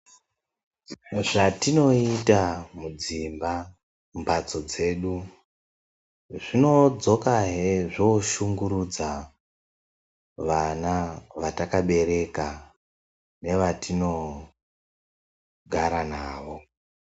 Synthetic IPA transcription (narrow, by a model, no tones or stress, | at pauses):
ʐatino̞itamud͡zimba | mbat͡so̞d͡ze̞ːɗu | ʐino̞d͡zo̞kaɦeʐoʃuŋɡuɾud͡za | ʋanaʋatakaɓe̞ɾe̞ka | ne̞ʋatino̞ | ɡʱaɾanaːʋo̞